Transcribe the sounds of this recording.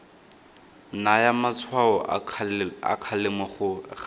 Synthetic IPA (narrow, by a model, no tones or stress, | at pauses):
najamat͡sʰwaɔ | a̰kʰalɪmwaχʊ